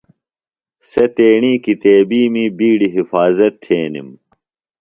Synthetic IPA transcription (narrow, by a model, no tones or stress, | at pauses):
sɐt̪eːɳiːkit̪eːbiːmiːbiːɽiɦifaːzɐt̪ʰːeːnḭm